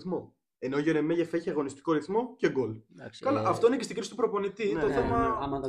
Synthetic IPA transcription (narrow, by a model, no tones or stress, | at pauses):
θmo̞ | enoʝeɾemeʝefeçiɐɣo̞nist̪i̥ko̞ɾiθmo̞ce̞ɡolskɐlaʔɐft̪o̞inecest̪iɡɾisit̪u̥pɾo̞po̞nit̪inoθθemɐ